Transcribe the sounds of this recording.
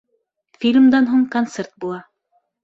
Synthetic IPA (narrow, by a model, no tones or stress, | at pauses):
fʲilʲmd̪ɑnɦuɴkont̪sert̪̚bulˠɑ